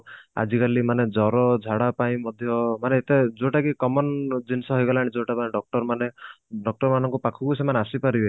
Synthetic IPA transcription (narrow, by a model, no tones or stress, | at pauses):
a̰d͡ʒikalimaned͡ʒɔɾɔd͡ʒʱaɽapaĩmɔd̪ʱjɔmaneːt̪ed͡ʒoʈakikɔmɔnd͡ʒinsɔɦɔjɡalaːɽ̃id͡ʒoʈapaneɖɔk̚ʈɔɾmaneɖɔk̚ʈɔɾmanɔŋkupakʰukusemaneasipaɾibe